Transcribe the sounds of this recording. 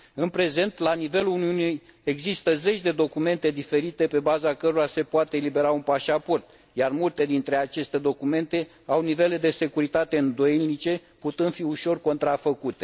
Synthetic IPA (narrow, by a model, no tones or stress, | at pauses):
ɨnpɾe̞ze̞nt̪lanive̞luuniunije̞ɡzist̪əze̞t͡ʃʲd̪e̞d̪o̞kume̞nt̪e̞d̪ife̞ɾit̪e̞pe̞bazakəɾoɾase̞poat̪eːlibe̞ɾaunpaʃapo̞rt̪̚ | jarmult̪e̞d̪int̪ɾe̞at͡ʃe̞st̪e̞d̪o̞kume̞nt̪e̞ | awnive̞le̞d̪e̞se̞kuɾit̪at̪e̞ɨnd̪o̞jennit͡ʃe̞ | put̪ɨnfiuʃo̞rko̞nt̪ɾafəkut̪e̞